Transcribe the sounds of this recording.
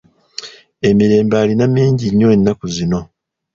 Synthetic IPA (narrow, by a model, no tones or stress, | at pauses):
e̞miɾe̞ːmbaːlinamːiːɲɟiɲːo̞e̞nːakuzino̞